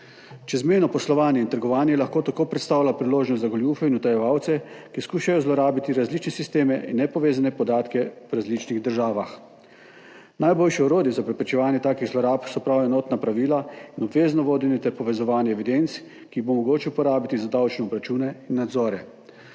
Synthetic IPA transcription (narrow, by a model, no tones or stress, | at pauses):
t͡ʃɛzmeːnɔpɔslɔʋaːnjɛint̪əɾɡɔʋaːnjɛlaxkoːt̪akoːpɾɛt̪st̪aːwlʲapɾiloːʒnɔst̪zaɡɔlʲjufɛinut̪ajɛʋaːwt̪sɛkiskuːʃajɔzlɔɾaːbit̪iɾazlit͡ʃnɛsist̪eːmɛʔinːɛpɔʋeːzanɛpɔd̪aːt̪kɛwɾazlit͡ʃniɣd̪əɾʒaːʋax | najboːlʃiɔɾoːd̪jiɛzapɾɛpɾɛt͡ʃɛʋaːnjɛt̪aːkiɣzlɔɾaːpsɔpɾawɛnɔːt̪napɾaʋiːlainɔbʋeːznɔʋoːd̪ɛnɛt̪ɛɾpɔʋɛzɔʋaːnjɛːʋid̪ent̪s | kiːbomɔɡoːt͡ʃiupɔɾaːbit̪izad̪awt͡ʃnɛɔbɾat͡ʃuːnɛinːad̪zɔːɾɛ